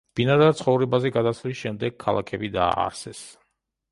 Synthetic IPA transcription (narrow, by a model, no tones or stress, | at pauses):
b̥inad̪at̪sʰχɔvɾɛbazɛɡad̪asvlisʃɛmd̪ɛɡ̚kʰːalˠakʰɛbid̪a̰ːɾsɛs